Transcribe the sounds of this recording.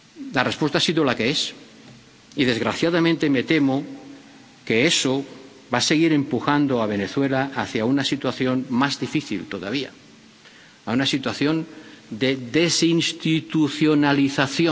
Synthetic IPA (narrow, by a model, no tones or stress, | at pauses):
larespwe̞st̪asiðolakees | iðe̞zɣɾaθjaðamẽnt̪e̞me̞t̪e̞mo | ke̞eso | βase̞ɣ̞iɾe̞mpuxand̪oaβ̞e̞ne̞θwe̞laaθjaunasit̪waθjo̞nmazðifiθḭlt̪o̞ða̰β̞ia̰ | aunasit̪waθjo̞nd̪e̞ðesinst̪it̪uθjonaliθaθjo